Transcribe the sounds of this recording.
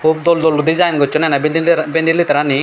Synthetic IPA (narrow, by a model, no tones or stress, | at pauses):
kʰub̚d̪ɔld̪ɔlud̪izajnɡɔtt͡ʃʰːɔnɛnabbɛnd̪ilit̪aɾani